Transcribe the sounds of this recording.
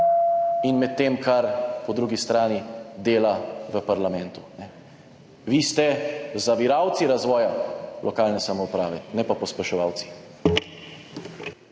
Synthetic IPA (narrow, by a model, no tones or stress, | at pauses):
inmɛt̪ːeːmkʰaɾpɔd̪ɾuːɡist̪ɾaːnid̪eːlaʋəpaɾlamɛnt̪u̥nɛ | ʋist̪ɛzaʋiɾaːwt̪siɾazʋɔːjalʔɔkaːlnɛsamɔupɾaːʋɛnɛpapɔspɛʃɔʋaːwt̪si̥